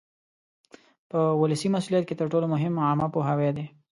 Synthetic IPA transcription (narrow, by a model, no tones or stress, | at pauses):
pəwʊləsimasuljat̪̚ket̪əɾʈolomʊɦɪmamapoɦawed̪e